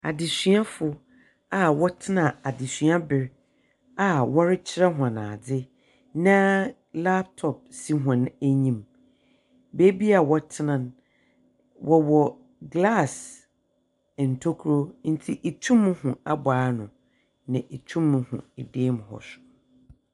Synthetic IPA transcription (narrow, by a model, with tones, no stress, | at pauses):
a̰˨dɪ˨ɕɥa˦fʊ˨˦ | a˨wɔ˦tʰɪ˦nã˨a˨dɪ˨sɥa˦bɪ˨ɾ | a˨wɔ˦ɾɪ˦t͡ɕʰɪ˦ɾɛ˦ɦʊ̃˨a˨nã̰ː˨d͡zɪ˦ | nã˦ | la˦p̚tʰɔ˨p̚si˦ɦɔ̃˨næ˦ɲĩ˦m | be˦bi˦a˨wɔ˨tʰɪ˦nã˨n | wʔɔ˨wɔ˨ | ɡla˦˨s | n̩˨tʰo˦kʰɾo˦n̩˦tʰi˦ʔe˨tʰũ˦m̃ː˦hʊ̃˨a˨baː˨˦nʊ̃˨ | naɪ̃˨ʔe˨t͡ɕʰũ˦mːʊ̃˨hʊ̰̃˨e˨deː˦m̃˨hɔ̰˨sʊ̥˨